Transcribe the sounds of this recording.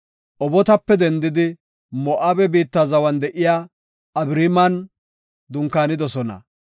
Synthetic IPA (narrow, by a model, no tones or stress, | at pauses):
ʔɔbɔt̪ɐpːɛd̪ɛnd̪ɪd̪ɪ | mɔʔaːbɛbiːt̪ːazɐwɐnd̪ɛʔɪjaː | ɐbɾimɐn | d̪ʊŋkːaːnɪd̪ɔsɔnɐ̰